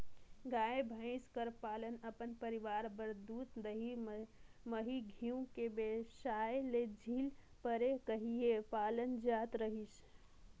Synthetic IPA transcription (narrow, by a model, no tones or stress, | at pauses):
ɡaebʱə̃ɪ̃skəɾpaːlənəpənpəɾiʋaɾbəɾd̪uːt̪d̪əɦimməɦiɡʱiũkebesaeled͡ʒʱiːl | pəɾekəɦiepalənd͡ʒat̪ɾəɦis